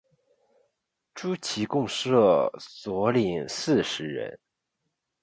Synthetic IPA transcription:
ʈ͡ʂu˥t͡ɕʰi˧˥kʊ˥˧ŋʂɤ˥˩t͡swɔ˧˥li˨˩ŋsɹ̩˥˩ʂɻ̩˧˥ɻə̰˧˥n

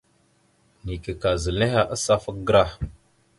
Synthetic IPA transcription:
ni˨ke˨ka˨zə˨lne˦ha˦ʔa˦sa˦fə˦k̚ɡɾa˦˨

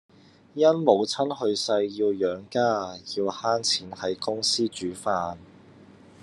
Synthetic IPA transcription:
jɐ˥nmo˨˧wt͡sʰɐ˥nhɵ˧ɥsɐ˧jːiː˧wjœː˨˥ŋkaː˥jiː˧whaː˥nt͡sʰiː˨˥nhɐ˨˥jkʊ˥ŋsiː˥t͡ʃyː˨˥faː˧n

